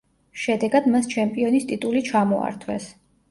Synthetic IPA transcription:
ʃɛd̪ɛɡad̪mast͡ʃʰɛmpʼiɔnist̪ʼit̪ʼulit͡ʃʰamɔa̰ɾt̪ʰwɛ̰s

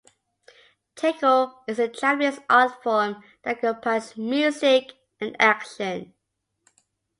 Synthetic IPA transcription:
tʰekəlɪzətʰɹ̥ɛviəsɑtfɔm | ðət̚kʰə̃pʰasmjʉzɪk | ə̃nækʃə̃n

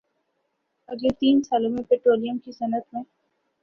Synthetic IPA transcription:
ɐɡlet̪iːnsaːlõmẽpeːʈɾoːlijəmkisɐnət̪mẽ

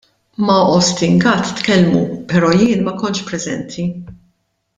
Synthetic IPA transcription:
mɐʔɔst̪ɪŋɡɐt̪ːkɛlmṵpɛɾɔːjɪːnmɐkɔnt͡ʃpɾɛzɛ̰nt̪ʰi

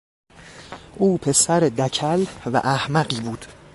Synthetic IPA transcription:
ʔuːpʰe̞sæɾed̪æcʰælvæ̰ʔæhmæɢiːbuːd̪̥

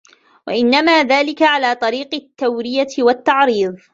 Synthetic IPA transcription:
wa̰ʔɪnːamaːðaːlɪkaʕalaːt̪ˤɑɾiːqɪt̪ːawɾɪjawat̪ːɑʕɾiːðˤ

